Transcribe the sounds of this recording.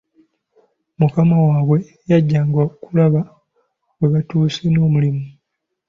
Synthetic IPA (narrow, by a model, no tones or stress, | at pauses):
mukamawaːβwe̞ | jaɟːaːŋɡwakulaβa | weβatuːseno̞ːmulimu